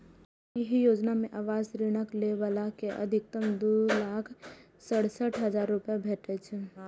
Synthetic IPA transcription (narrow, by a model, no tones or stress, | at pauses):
iɦijoːd͡ʒnamẽʔaːʋaːzɾɪɽ̃əkleʋalakeʔɐ̰d̪ʱɪk̚t̪əmd̪olaːkʰ | səɽsəʈʰɦəzaːɾːʊpjabʱeːʈet͡ʃʰe